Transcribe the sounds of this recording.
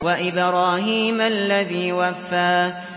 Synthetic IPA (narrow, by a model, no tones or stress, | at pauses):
waʔɪbɾˤaːɦiːmalːaðiːwafːaː